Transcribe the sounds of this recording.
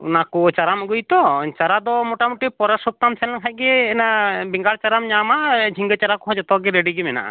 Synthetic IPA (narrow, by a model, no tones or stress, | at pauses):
ṵnakɔt͡ʃaɾamɡujt̪ɔt͡ʃaɾad̪ɔmɔʈamuʈipɔɾasɔp̚t̪amsʰɛlɛnkʰac̚ˀɡɛːnabiŋɡaɽt͡ʃaɾamɲamad͡ʒʱiŋɡɛt͡ʃaɾakɔɦɔ̃d͡ʒɔt̪ɔɡɛɾeɖiɡɛmɛna̰ʔa̰